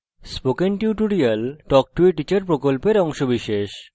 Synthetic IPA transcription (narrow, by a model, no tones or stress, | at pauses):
spokenʈiuʈuɾialʈɔk̚ʈueʈit͡ɕaɾpɾokolpeɾɔŋʃobiʃeʃ